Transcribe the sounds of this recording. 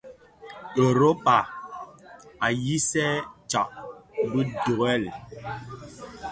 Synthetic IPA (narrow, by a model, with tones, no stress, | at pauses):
e˨ɾo˦pa˨ | a˨ji˦sɛ˦t͡ʃa˨ʔbə˦do˨ɛ˦˨l